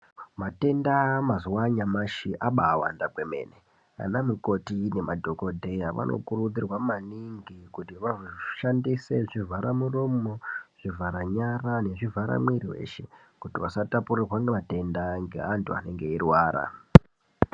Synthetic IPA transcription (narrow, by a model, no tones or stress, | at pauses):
mate̞ndamazuwaɲamaʃiʔaɓaːwa̰ndakwe̞me̞̰ːne̞ | a̰namuko̞tine̞madʱo̞ko̞dʱe̞jaʋa̰nʔo̞̰kurud͡zirwamaniŋɡikutiʋaʐoʃandise̞ʐivʱaɾamuromoʐ̥ivʱaɾaɲarane̞ʐivʱaɾa̰mwiɾiwe̞̰ːʃe̞ | kutiwasatapurirwaŋɡemate̞ndaŋɡe̞̰antʰua̰ne̞ŋɡe̞irwaːɾa̰